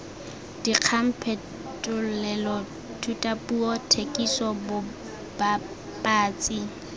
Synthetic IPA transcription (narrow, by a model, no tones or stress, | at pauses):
d̥iq͡χʰam̩pʰɛ | tʼʊlɛlɔ | tʰutʼapʼuɔtʰekʼisɔbʊ | b̥a | pʼaːt͡sʼi